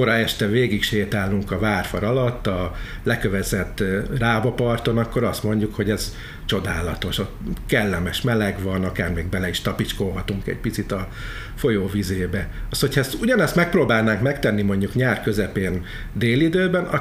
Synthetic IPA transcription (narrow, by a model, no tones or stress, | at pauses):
oɾɒɛʃt̪ɛveːɡikʃeːt̪aːluŋkɒvaːrfɒɾɒlɒt̪ːɒ | lɛkøvɛzɛt̪ːraːbɒpɒrt̪o̞nɒkːo̞ɾɒst̪mo̞ɲɟukho̞ɟɛz | t͡ʃo̞d̪aːlɒt̪o̞ʃot̪kɛlːɛmɛʃmɛlɛɡvɒnɒka̰ːrmeːɡ̚bɛlɛiʃt̪ɒpit͡ʃko̞lɦɒt̪uŋkɛ̰c̚pit̪sit̪ɒ | fo̞joːvizeːbɛɒst̪ho̞chɒɛst̪uɟɒnɛst̪mɛk̚proːbaːlnaːŋkmɛkt̪ɛnːimo̞ɲɟukɲaːrkøzɛpeːn | d̪eːlid̪øːbɛnʔɒ̰